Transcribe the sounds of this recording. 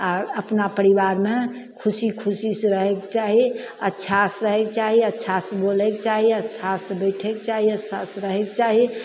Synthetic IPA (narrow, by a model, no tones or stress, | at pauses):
aɾəpnapəɾiʋaɾmẽ | kʰusikʰʊsisɾəɦekt͡ʃaɦi | ətːʃʰasɾəɦekt͡ʃaɦiətːʃʰasbolekt͡ʃaɦiətːʃʰasbəɪʈʰekt͡ʃaɦiətːʃʰasɾəɦekt͡ʃaɦi